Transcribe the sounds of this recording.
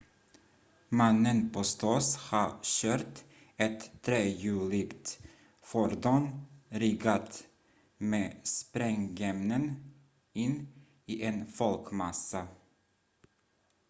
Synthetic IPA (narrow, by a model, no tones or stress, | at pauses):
manːənpʰɔst̪ʰɔshɑɕøːɾʈ | ɛt̪ʰːɾeːjʉːlɪɡt̪ | fɔɾd̪ɔnɾɪɡat̪ | meːspɾɛŋɡɛmnən | ɪnː | iːʔɛnfɔlkmasːa